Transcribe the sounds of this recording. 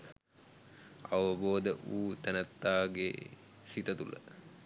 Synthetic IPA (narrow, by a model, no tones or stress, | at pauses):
ɐʋəboːd̪əʔuːt̪ænɐt̪ːaːɡḛ | sit̪ət̪ulə̰